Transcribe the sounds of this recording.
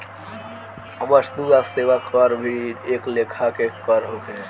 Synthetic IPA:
əməsd̪uaseʋakəɾbʱieklekʰakekəɾɦoke

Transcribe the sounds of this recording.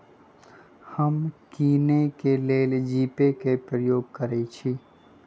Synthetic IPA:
həmkiːnekeleːld͡ʒiːpekepɾəjoːɡ̚kəɾet͡ʃʰiː

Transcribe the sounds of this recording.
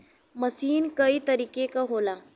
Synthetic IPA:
məsiːnkəit̪əɾiːkekaɦola

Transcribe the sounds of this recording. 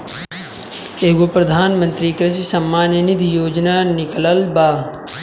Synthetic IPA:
eːɡopɾɐd̪ʱaːnmə̃nt̪ɾikɾɪs̬isɐmːaːnjənid̪ʱijoːd͡ʒnaːnɪkləlbaː

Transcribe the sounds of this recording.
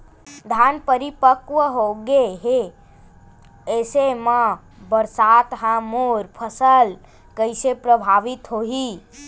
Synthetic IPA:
d̪ʱanpəɾipəkʋəɦoɡeɦe | esemã | bəɾsat̪ɦãmoɾpʰəsəl | kəjsepɾəbʱaʋit̪ɦoɦi

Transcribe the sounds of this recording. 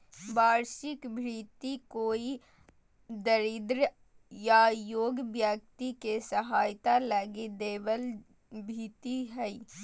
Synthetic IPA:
baːɾʃɪkbʱɾiːt̪ikoːi | d̪əɾɪd̪ɾ | jajoːɡbjək̚t̪ikesɐɦaːjt̪aləɡed̪eːʋəl | bʱiːt̪iɦɛi

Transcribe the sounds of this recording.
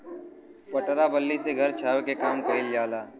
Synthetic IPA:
pɐʈɾabəlːiseɡʱɐɾt͡ʃʰaːʋekekaːmkɐɦɪljaːlaː

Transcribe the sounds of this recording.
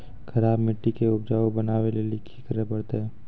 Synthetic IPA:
kʰɐɾaːbmɪʈːikeʊbd͡ʒaːobɐnaːʋelelɪkʰːikəɾepɐɽt̪eɦɛː

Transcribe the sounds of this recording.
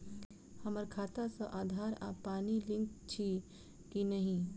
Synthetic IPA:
hɐməɾkʰaːt̪asəʔaːd̪ʱaːɾa̰ːpaːnilɪ̃ŋkt͡ʃʰi | kinɐɦĩ

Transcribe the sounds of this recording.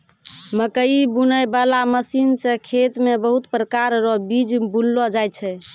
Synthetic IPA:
məkəibunəjbalaməsinsẽkʰet̪mebəɦut̪pɾəkaɾɾɔbid͡ʒbullːɔd͡ʒajt͡ʃʰɛ

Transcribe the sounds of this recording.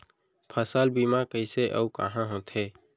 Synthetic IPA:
pʰəsaːlbiːmakəɪseʔə̰ukə̰ɦãɦõt̪ʰeː

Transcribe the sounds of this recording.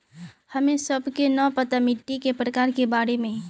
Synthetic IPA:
həmẽsəbʱkenɔpət̪amɪʈːikepɾəkaːɾkebaːɾemẽ

